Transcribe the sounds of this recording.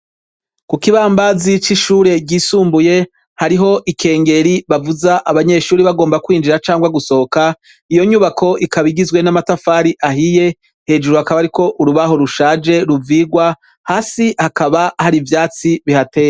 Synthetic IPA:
kukiβaːmbazit͡ʃiʃuːɾe̞ɟiːsuːmbuje̞ | haɾiɦo̞ʔikʰe̞ːŋɡe̞ɾiβavuzaʔaβaɲe̞ʃuːɾiβaɡo̞ːmbakwiːnd͡ʒiɾat͡ʃaːŋɡwaɡuso̞oka | ijo̞ɲuβakʰo̞ʔikaβiɡizwe̞namatafaːɾiʔaɦije̞ | he̞ːd͡ʒuɾuhakaβaɾiko̞ʔuɾuβaho̞ɾuʃaːd͡ʒe̞ɾuviɡwa | haːsihakaβahaɾivjaːt͡siβihate̞ːɾa

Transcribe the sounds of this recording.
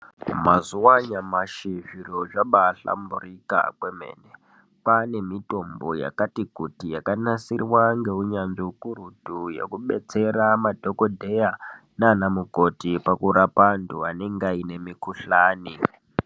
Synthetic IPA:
mazuwaɲamaʃiʒiɾoʐaɓaɬa̰mburika̰kwemḛːne | pane̞mito̞mbo̞̰ja̰katikutijakanasirwaŋɡe̞uɲanʐiukuɾudʱujḛkuɓe̞̰t͡se̞ɾamadʱoko̞dʱe̞ja | naːnamuko̞tipakuɾapantuane̞ŋɡaine̞mikuɬaːni

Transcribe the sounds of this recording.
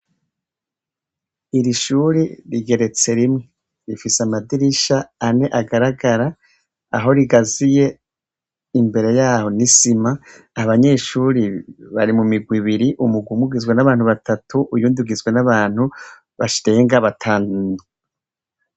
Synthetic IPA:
iɾiʃuːɾiɾiɡe̞ɾe̞t͡se̞ɾimŋe | ɾifisamadiɾiʃaːne̞ʔaɡaɾaɡaɾa | aɦo̞ɾiɡazije̞ | imbe̞ɾe̞jaːho̞nisimaː | aβaɲe̞ʃuːɾiβaɾimumiɡwiβiɾiʔumuɡwumuɡizɡwenaβaːn̥uβatʰatʰuʔujuːnduɡizɡwe̞naβaːn̥hu | βaʃiɾe̞ːŋɡaβatʰaːnno

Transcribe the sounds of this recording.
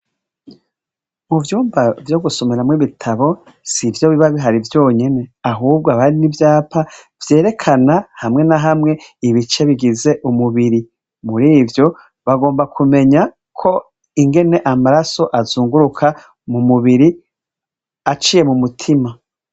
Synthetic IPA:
muvjuːmbavjo̞ɡuso̞meɾamŋiβitʰaβo̞ | sivjo̞βiβaβiɦaɾivjo̞ːɲe̞ne̞aɦuːb̚ɡoaβaɾinivjaːpʰa | vje̞ːɾe̞kʰanahamŋe̞naɦamŋe̞iβit͡ʃe̞βiɡize̞ʔumuβiɾi | muɾiːvjo̞ | βaɡo̞ːmbakʰume̞ɲa | kʰo̞ | iŋɡe̞ne̞ʔamaɾaso̞ʔazuːŋɡuɾukʰa | mumuβiɾi | at͡ʃije̞mumutʰima

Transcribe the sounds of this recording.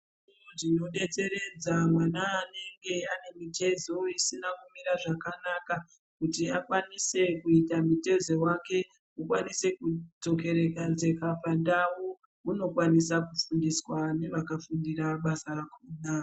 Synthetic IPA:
ʐ | nuʐino̞ɗe̞t͡se̞ɾe̞d͡zamwanaːne̞ŋɡe̞ane̞mite̞zo̞isinakumiɾaʐakanaka | kutiakwanise̞kuitamite̞zo̞wake̞ | ukwanise̞kud͡zo̞k̬e̞ɾe̞kad͡ze̞kapandawo | uno̞kwanisakufundiswane̞ʋakafundiraɓasarakuːna

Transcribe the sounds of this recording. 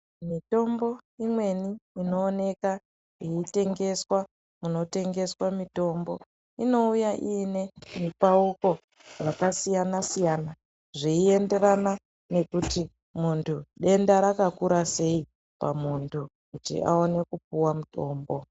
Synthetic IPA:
mito̞mbo̞imwe̞niino̞ːne̞ka | iite̞ŋɡe̞swa | muno̞te̞ŋɡe̞swamito̞ːmbo̞ | ino̞ujaʔiːne̞mipauko̞ | rakasijanasijana | ʐiie̞nde̞ɾana | ne̞kuti | muntʰuɗe̞ndaɾakakuɾase̞i | pa̰muntʰu | kutḭa̰o̞ne̞kup̚uwamuto̞ːmbo̞

